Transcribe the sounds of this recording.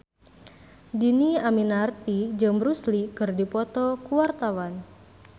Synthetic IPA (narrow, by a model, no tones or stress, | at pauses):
diniaminart̪id͡ʒɨŋbɾuslikɨrdipɔt̪ɔkuwart̪awan